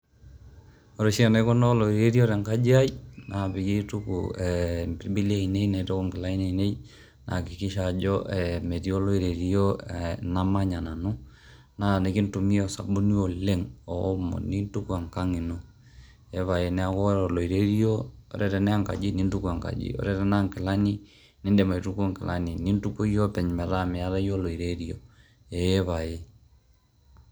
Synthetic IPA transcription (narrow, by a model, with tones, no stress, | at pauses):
o˨ɾo˨ʃi˦a˦˨ne˦ko˦no˦lo˨i˨ɾe˦ɾi˦o˦ɾɛ˨ŋka˦d͡ʒi˦a˦jna˨pi˨ɡi˦tu˦kṵ˨ɛmpi˦bi˦li˦a˦i˨ne˦jna˨˦to˦ko˦ŋɡɪ˨la˦i˦ne˨i˨ne˦j | nʔa˨ki˨ki˦ʃa˨d͡ʒɔ˦ɛ˨me˨ti˦o˦lo˦i˨ɾe˨ɾi˦o˦˨na˦ma˦ɲa˨na˨nu˦ | na˦˨ne˨ki˦ntu˨mi˦o˨sa̰˨bu˦ni˦o˨le˦ŋɔː˨˦mɔ̰˨ni˦n˦tu˦kwa˨ŋka˦ŋi˨no˦ | e˦βa˨je˨nɛ˨˦a˦kɔ˦ɾɔ˨lo˨i˨ɾe˦ɾi˦o˦o̰˨ɾɛ˦ɾɛ˨nɛ˦a˦˨ŋka̰˨d͡ʒi˦ni˦ntu˦ku˦a˨ŋka̰˨d͡ʒḭ˦o̰˨ɾɛ˦ɾɛ˦na˦ŋkɛ˨la˦ni˦ | ni˦nde˨ma˨i˨tu˦ko˦ŋkɛ˨la˦ni˨ni˦n˦tu˦ko˦jo˦pɛ˨ɲmɛ˨ɾa˦me˨a˦ða˦jo˦lo˨i˨ɾe˦ɾi˦o˨ | eː˨˦βa˨je˨